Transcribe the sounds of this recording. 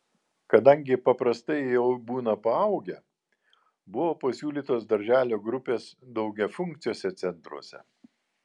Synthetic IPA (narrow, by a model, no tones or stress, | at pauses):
kɐd̪ɐŋʲɡʲɪpɐpɾɐst̪ɐɪjɛʊbuːnɐpɐɐʊɡʲɛ | bʊʋoːpɐsʲuːlʲiːt̪oːsd̪ɐɾʲʒʲæːlʲoːɡɾʊpʲeːsd̪ɒʊɡʲɛfʊŋʲkt̪sʲɪjoːsʲɛt̪sʲɛnt̪ɾṵɔsʲɛ̰